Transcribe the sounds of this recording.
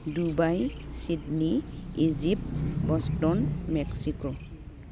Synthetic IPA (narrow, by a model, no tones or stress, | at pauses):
dubajsidniizip̚tbɔstɔnmɛksiko